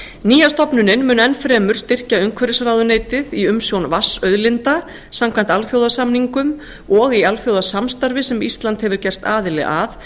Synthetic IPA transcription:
niːjast̪ɔpnʏnɪnmʏːnɛnfɾɛːmʏɾ̥st̪ɪr̥caʏŋkʰvɛɾɪsɾawðʏneːjt̪ɪðiʏmsjownvasœɥðlɪnt̪a | samkʰvant̪alθjowðasamniŋkʏm | ɔɣialθjowðasamst̪aɾvɪsɛmist̪lant̪hɛvʏɾ̥cɛr̥st̪a̰ːðɪlɪ̰a̰θ

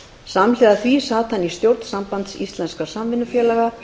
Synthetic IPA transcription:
samlɛðaθvisaːt̪ʰanist̪jowɾt̪n̥sampant̪sist̪lɛnskasamvɪnːʏfjɛːlaɣa

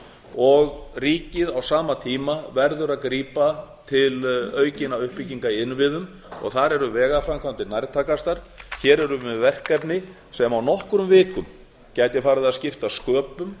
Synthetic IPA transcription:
ɔɣriːcɪðawsaːmat̪ʰiːmavɛɾðʏɾaðkɾiːpat̪ʰɪlœːɥcɪnaʏhpːiciŋkaiɪnvɪðʏm | ɔ̰ɣθaɾɛɾʏvɛːɣafɾamkʰant̪ɪnajɾt̪ʰaːkast̪aɾ̥ | çɛːɾɛɾʏvɛðvɛr̥kɛpnɪ | sɛmawnɔhkɾʏmvɪːkʏm | cajt̪jɪfaːɾɪðaðscɪft̪askœːpʏm

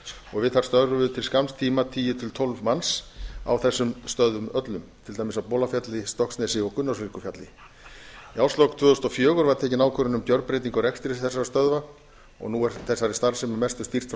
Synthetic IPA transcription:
ɔɣvɪðθaɾ̥st̪œðɾʏvɪðt̪ʰɪlskamst̪ʰiːmat̪ʰiːjɪt̪ʰɪlt̪ʰɔlvmansa̰wθɛsːʏmst̪œðʏmœt̪lʏmt̪ʰɪlt̪aːjmɪsawpɔːlafjat̪lɪst̪ɔhksnɛsɪɔkʏnːasvɪrkʏfjat̪lɪ̰ | jawst̪lɔwkt̪ʰvʏːðst̪ɔfjœːɣʏɾvaɾt̪ʰɛːcɪnawkʰœɾɪnʏmp̪jœɾ̚pɾejt̪̬iŋkɔɾɛkst̪ɪɾsθɛsːaɾast̪œðva | ɔ̰ɣnuɛɾθɛsːaɾɪ̥st̪aɾsɛmʏmɛst̪ʏst̪ir̥t̪f

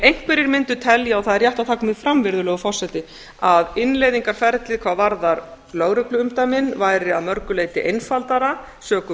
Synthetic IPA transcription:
ejŋ̥kvɛɾɪɾmɪnt̪ʏ̥t̪ʰɛljaawθaðɛɾjaht̪aðt̪ʰaːkʏmiɣfɾamvɪɾðʏlɛːɣʏfɔr̥sɛt̪ɪ | aðɪnlejðiŋkaɾ̥fɛɾt̪lɪðkʰvavaɾðaɾ | lœːɣɾœklʏʏmt̪amɪnvaːjɾɪaðmœɾkʏleːjt̪ɪʔejnfalt̪aɾa | sœːkʏ

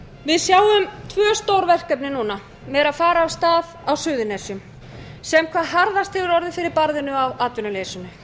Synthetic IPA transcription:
vɪðsjaːwʏmt̪ʰvœːst̪owɾvɛr̥kɛpnɪnuːna | mɛɾaðfaːɾaːwst̪aːðawsʏːðʏnesjʏm | sɛmkʰvaːðɦaɾðast̪ʰɪlɪɾɔɾðɪfɪɾɪɾpaɾðɪnʏawaːt̪vʏnʏleːjsʏnːʏ

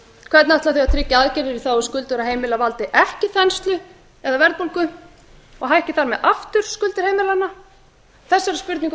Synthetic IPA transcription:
kʰvɛɾt̪nat̪aθʏaðt̪ʰɾɪcːɪaðcɛɾvɪɾiθawɔskʏlt̪ʏɾaɦeːjmɪlavalt̪ɪʔɛhcɪθɛnst̪lʏ | ɛðavɛɾt̪puŋkʏ | ɔɣɦajɛhcɪθaɾmɛðʔaft̪ʏɾ̥skʏlt̪ɪɾ̥hejmɪlana | θɛsːaɛɾspʏɾt̪niŋk

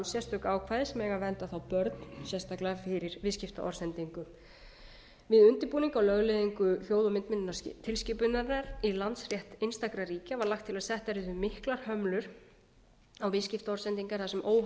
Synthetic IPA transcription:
nsjɛst̪ʏkaːwkʰvaːðɪsɛmɛːɣavɛnt̪aθawpœɾt̪nsjɛst̪aklaafɪɾɪɾvɪscɪft̪a̰ʔɔ̰ɾsɛnt̪iŋkʏ | vɪðʏnt̪ɪpuːniŋkawlœɣlɪðiŋkʏçjoːwðɔmɪnt̪mɪnɪnat̪ʰɪlscɪpʏnaɾaɾilant̪srjɛht̪ɪnst̪akɾariːcavaɾlaxkt̪ʰːɪlasɛht̪ɛɾɪðʏmɪhklaɾ̥hœmlʏɾ̥ | awvɪðscɪft̪aɔɾ̥sɛnt̪iŋkaɾ̥θasɛmʔoːw

